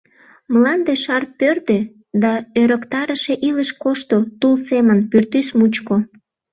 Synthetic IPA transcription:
məlɑnd̪eʃɑrpørd̪ø | d̪ɑøɾəkt̪ɑɾəʃe̽ʔiləʃkoʃt̪ot̪ulsemənpyrt̪ysmut͡ɕko

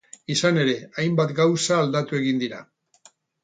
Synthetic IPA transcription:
isane̞ɾe̞ajmbat̪ɡawsaːld̪at̪ue̞ɣind̪iɾa̰

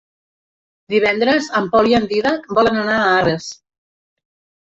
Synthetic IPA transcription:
d̪iβ̞ɛnd̪ɾəzəmpɔliand̪iðakbɔlənənaares

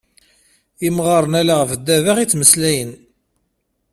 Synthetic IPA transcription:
imʁɑɾˤənælaʁfd̪ːævaʁit͡sːməslæjən

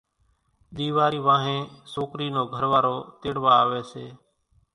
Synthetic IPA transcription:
ɗ̪iːʋaːɾiːʋãːɦẽːsoːkɾiːnoːɡʱəɾʋaːɾoːt̪ɪɽʋaːʋeːseː

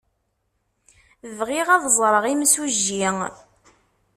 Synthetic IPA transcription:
əvʁiʁɑðˤzˤɾˤəʁimsuʒːiŋ

